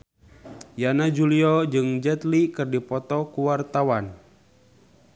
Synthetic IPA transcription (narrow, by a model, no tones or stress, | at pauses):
janad͡ʒuliɔd͡ʒɨŋd͡ʒɛt̪likɨrdipɔt̪ɔkuwart̪awan